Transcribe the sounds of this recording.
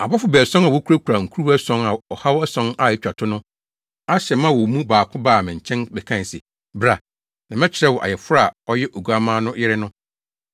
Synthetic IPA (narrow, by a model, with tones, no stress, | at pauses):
a˨ba˦fʊ˨bɛː˨sɔ̃˦na˨wɔ˦kʰu˦ɾa˦kʰɾa˨ŋ̩˨kʰu˦ɾu˦ɛ˦sɔ̃˦na˨ɔ˨ha˦wɛ˦sɔ̃˦na˨ɪ˦˨t͡ɕᶣa˨tʰʊ˦nʊ̃˦ | a˦ɕɛ˨mã˦˨wɔ˨mũ˦baː˨kʰʊ̃˦baː˦˨mɪ̃˨ɲ̩˨t͡ɕʰɛ̃˦nbɛ˨kʰã˦˨sɛ̰˨ | bɾa˨ | nã˨mɛ̃˦t͡ɕʰɪ˨ɾɛ˦wɔ˨ʔa̰˨jɛ˨fʊ˦ɾa˦a˨ɔ˦jɛ˦ʔo˨ɡu˨a˦mãː˦nʊ̃˦jɪ˦ɾɪ˦nʊ̃˦